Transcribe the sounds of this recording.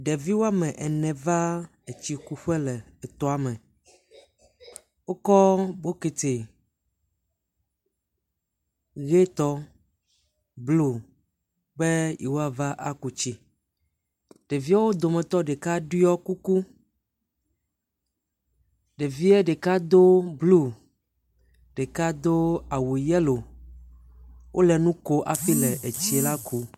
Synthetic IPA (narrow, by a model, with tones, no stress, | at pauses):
ɖe˨vi˦wo˦a˦mɛ̃˨ʔɛ˨nɛ̃˨va˦ | e˨t͡ɕi˦ku˦ɸɛ˦lɛ˨ɛ˨t̪ɔ˦a˨mɛ̃˨ | wo˦kɔ˦bo˦ke˨t̪e˨ | ɣe˦t̪ɔ˦ | blo˨ | be˦jʔi˨wo˦a˨va˦ʔa˦ku˨t͡ɕi˦ | ɖ̥e˨vi˦a˦wo˦d̪o˨mɛ̃˨t̪ɔ˦ɖe˨ka˦ɖi˦ɔ˦ku˦ku˦ | ɖe˨vi˦ɛ˦ɖe˨ka˦d̪o˦blu˦˨ | ɖe˨ka˦d̪o˦a˨wu˨jɛ˦lo˨ | wʔo˦lɛ˨nũ˦ko˦ʔa˨ɸi˦lɛ˨ʔe˨t͡ɕi˨la˦kʰu˦